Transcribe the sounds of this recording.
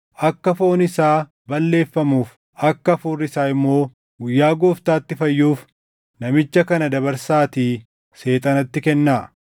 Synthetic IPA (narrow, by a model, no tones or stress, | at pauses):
ʔɐkːɐfo̞ːnɪsaː | bɐlːe̞ːfːɐmuːf | ɐkːɐfuːrːɪsaːɪmːo̞ː | ɡʊjːaːɡoːft̪aːt̪ːɪfɐjːuːf | nɐmɪt͡ʃːɐkɐnɐd̪ɐβɐɾsaːt̪iː | se̞ːt̪ʼɐnɐt̪ːɪkɛnːaː